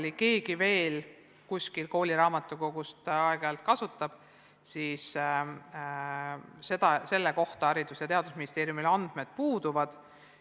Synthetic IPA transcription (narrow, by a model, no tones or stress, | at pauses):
like̞ːɡive̞ːl | kusʲkilko̞ːlʲiɾɑːmɑt̪ːˑukoɡ̥ust̪ɑeɡ̥ɑlt̪̚kɑsut̪ːˑɑb̥ | sis | se̞d̪ɑse̞lːeko̞ht̪ɑɑɾid̪̥usjɑt̪e̞ɑd̪̥usminist̪e̞ːɾijumilɑnd̪̥me̞d̪̥̚puːd̪uvɑd̪̥